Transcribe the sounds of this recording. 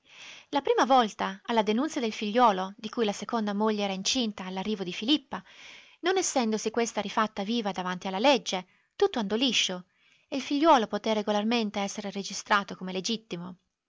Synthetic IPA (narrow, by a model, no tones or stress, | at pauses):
lapɾiːmavɔlt̪aːlːad̪enunsjad̪elfiʎːɔːlod̪ikujlasekond̪amoʎːeɛːɾaint͡ʃint̪aːlːarːiːvod̪ifilipːa | nonɛsːɛnd̪osikwest̪aɾifat̪ːaviːvad̪avant̪ialːaled͡ʒːe | t̪ut̪ːoand̪oliʃːo | eilfiʎːwɔːlopot̪eɾeɡolarment̪eɛsːeɾered͡ʒist̪ɾaːt̪okomeled͡ʒit̪ːimo